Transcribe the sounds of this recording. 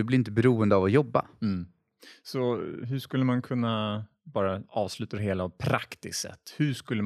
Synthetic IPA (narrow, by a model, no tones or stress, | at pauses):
ɵblɪɾɪnt̪əbɛɾuːənd̪əavɔjɔbːa̰ | sɔɦɵʂkɵlːəmankʰɵnːa | bɑːɾaɑːvslʉ̟ːt̪ad̪ɛɦeːlapʰɾakt̪ɪ̰sɛ̰t̪ːhɵʂkɵlːə